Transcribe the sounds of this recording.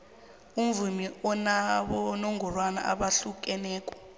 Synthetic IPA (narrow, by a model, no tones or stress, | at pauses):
umvumiɔnaɓɔnɔŋɡʱurwana̰ʔa̰ɓaɬuk̬ʼɛnɛːkʼɔ̥